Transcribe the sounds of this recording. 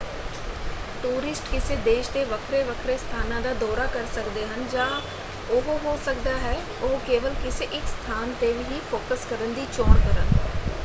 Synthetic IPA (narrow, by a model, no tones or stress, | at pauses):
ʈuːɾɪsʈkɪseːd̪eːʃt̪eːʋəkʰɾeʋəkʰɾest̪ʰaːnãːd̪aːd̪ɔːɾaːkəɾsəkd̪eːɦənd͡ʒãː | ʊɦɦoːsək̚d̪aːɦɛː | oɦkeːʋəlkɪseʔɪkst̪ʰaːnt̪eːbɪɦiːfʰoːkəskəɾənd̪iːt͡ʃɔːɽkəɾən